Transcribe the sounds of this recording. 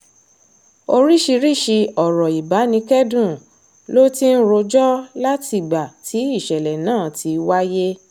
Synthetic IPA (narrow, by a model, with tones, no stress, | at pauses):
o˧ɾi˦ʃi˧ɾi˦˨ʃi˧ɔ˨ɾɔ˨i˨ba˨˦nĩ˧˦kɛ˦dũ˦˨ | lo˦ti˦n̩˦ɾo˧d͡ʒɔ˦la˦ti˨ɡ͡ba˨tʰi˨˦i˦˨ʃɛ˨lɛ˨nãː˦˨tʰi˧˦wa˦je˦